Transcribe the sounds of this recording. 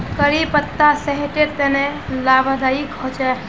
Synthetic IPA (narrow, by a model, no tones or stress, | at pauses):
kəɾipət̪ːasəɦeʈeɾt̪enelabʱəd̪aiɡʱɔt͡ʃɛ